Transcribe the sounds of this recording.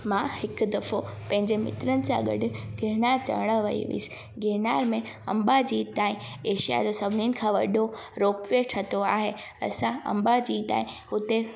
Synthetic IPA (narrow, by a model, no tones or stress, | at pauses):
mãhɪkʊd̪ɐfopɐ̃ɦɪ̃ɲd͡ʑemɪ̰t̪ɾənɪ̆sã̰ɡɐ̰ɖʱɪ̆ɡɪɾnaːɾt͡ɕɐ̰ʋɽ̃əʋɐ̰ḭʋḭːsɪ̥ | ɡɪɾnaːɾmẽ | ɐ̰̃mbad͡ʑiːt̪aːɦĩeːʃija̰d͡ʑosɐbʱɪninɪ̆kʰãːʋɐ̰ɗʱoɾoːkʋeʈʰɐt̪oaːɦeɐ̰sãɐ̰̃mbad͡ʑiːt̪a̰ːĩʊt̪e